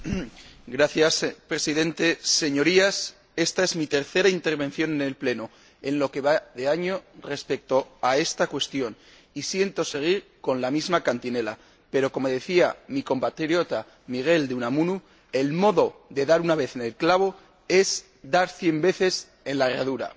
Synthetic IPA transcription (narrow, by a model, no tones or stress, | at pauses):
ɡɾaθjaspɾe̞siðe̞nt̪e̞se̞ɲo̞ɾias | e̞st̪aezmit̪e̞ɾθe̞ɾaint̪e̞ɾβe̞n̟θjonene̞lple̞no | e̞nlo̞ke̞βaðe̞aɲo̞re̞spe̞k̚t̪o̞ae̞st̪akwe̞st̪jo̞n | isje̞nt̪o̞se̞ɣ̞iɾko̞nlamizmakant̪ine̞la̰ | pe̞ɾo̞ko̞mo̞ð̞e̞θiamiko̞mpat̪ɾɾjo̞t̪a | miɣ̞e̞ld̪eunamunu | e̞lmo̞ðo̞ðe̞ðaɾunaβ̞e̞θenelklaβ̞o̞ | e̞s | d̪aɾθje̞mbe̞θe̞s | e̞nlaraðuɾa̰